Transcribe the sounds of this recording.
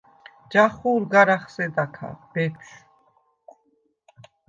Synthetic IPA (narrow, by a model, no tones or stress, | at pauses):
d͡ʒaχuːɾɡaɾaχsɛd̪akʰa̰b̥ɛpʰʃ